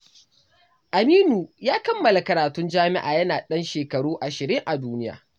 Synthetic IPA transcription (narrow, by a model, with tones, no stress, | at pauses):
ʔa˨miː˦nuː˨jaː˦kɐ˦mːɐ˨la˨kɐ˨ɾaː˨tʊ˦nd͡ʒaː˦mɪ˦ʔa̰ː˨jɐ˦naː˨ɗɐ˦nʃeː˨kɐ˨ɽuː˦ʔa˨ʃɪ˨ɾɪ˦ŋʔa˨duː˦nɪ˦ja̰ː˨